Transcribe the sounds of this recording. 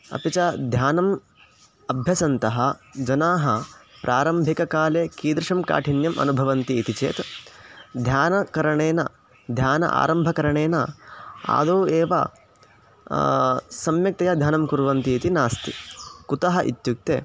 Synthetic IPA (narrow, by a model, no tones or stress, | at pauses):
ɐ̰pit͡ʃɐd̪ʱjaːnɐm | ɐbʱjɐsɐnt̪ɐɦɐd͡ʒɐnaːɦɐpɾʔaːɾɐmbʱikɐkaːleːkiːd̪ɾɪʂɐmka̰ːʈʰinjɐmɐ̰nubʱɐʋɐnt̪iːt̪it͡ʃḛːt̪ | d̪ʱjaːnɐkɐɾɐɳeːnɐ̰ | d̪ʱjaːnɐ̰ʔa̰ːɾɐmbʱɐkɐɾɐɳeːnɐa̰ːd̪oːeːʋɐ̰ | sɐmjɐk̚t̪ɐjaːd̪ʱjaːnɐmkuɾʋɐnt̪iːt̪inaːst̪ḭkut̪ɐɦɐʔḭt̪juk̚t̪eː